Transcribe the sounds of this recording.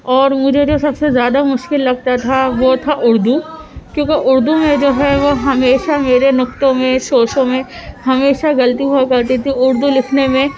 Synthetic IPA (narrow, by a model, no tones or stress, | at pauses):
ɔːɾmʊd͡ʒʱed͡ʒoːsɐbsezjaːd̪amʊʃkɪlːɐɡ̚t̪at̪ʰaʋot̪ʰaʔʊɾd̪ʱu | kjõːkeʔʊɾd̪umẽd͡ʒoːɦɛʋoɦɐmeːʃameːɾenʊk̚t̪õmẽsoːʃõmẽhɐmeːʃaɡɐlt̪iɦuakɐɾt̪it̪ʰiʊɾd̪ulɪkʰnemẽ